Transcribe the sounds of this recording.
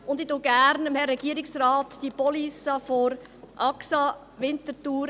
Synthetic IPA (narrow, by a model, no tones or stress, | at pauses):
ʊnd̪itoɡ̥æɾnəmhɛrɛɡ̥iəɾɪksɾaːtd̥ipɔlisɑfoɾ | ʔɑksɑ | ʋɪnt̪ətuːɾ